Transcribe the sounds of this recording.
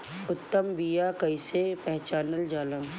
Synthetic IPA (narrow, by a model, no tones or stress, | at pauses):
ʊt̪ːəmbiːjakɐisepɛɦt͡ʃaːnəld͡ʒaːlə̃